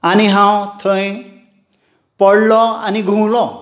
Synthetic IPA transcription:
aniɦãwt̪ʰəĩ | pɔɽlɔa̰niɡʱũwlɔ

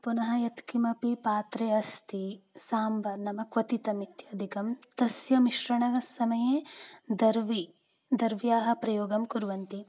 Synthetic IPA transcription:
punɐɦɐjɐt̪kimɐpipaːt̪ɾeːɐst̪isaːmbʱɐnɐmɐkʋɐt̪it̪ɐmit̪jaːd̪ʱikɐmt̪ɐsjɐmiʃɾɐɳɐɡɐsɐmɐjeːd̪ɐɾʋi | d̪ɐɾʋjaːɦɐ̆pɾɐjoːɡɐmkuɾʋɐnt̪i

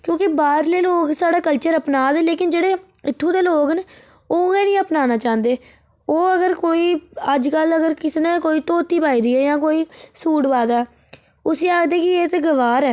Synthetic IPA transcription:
kjõːkɪbaːɾleːloːksaːɽaːkəlt͡ʃəɾəpnaːd̪ɛːleːkɪnd͡ʒeːɽeː | ɪt̪ʰːũːd̪eːloːkne | oːɡɛːnĩːəpnaːnaːt͡ʃãːnd̪eː | oːəɡəɾkoːiːəd͡ʒkələɡəɾkɪsnẽːkoːiːt̪oːt̪iːpaːiːd̪iːɛːjãːkoːiːsuːʈʋaːd̪aː | ʊsiːaːɡd̪eːkɪeːt̪eːɡəʋaːɾɛː

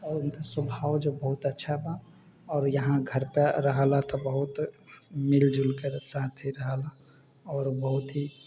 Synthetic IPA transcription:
ɔːɾʊnkasəbʱaːwd͡ʒobəɦʊt̪ətːʃʰaba | ɔːɾjəɦãɡʱəɾpeɾəɦalat̪ɔbəɦʊt̪mɪld͡ʒulkeɾsaːt̪ʰɦiɾəɦala | ɔːɾbəɦʊt̪ɦi

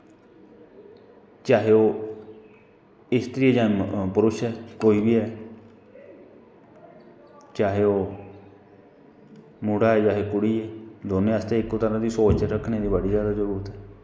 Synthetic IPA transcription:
t͡ʃaːɦeːoː | ɪst̪ɾiːeːd͡ʒãːnpəɾʊʃɛːkoːiːbiːɛː | t͡ʃaːɦeːoː | muɽaːɛːd͡ʒaːɦeːkʊɽiːɛːd̪oːnẽːəst̪eːɪkot̪əɾãːd̪iːsoːt͡ʃɛɾəkʰneːd̪iːbəɽiːd͡ʒjaːd̪aːzəɾuːɾət̪ɦɛː

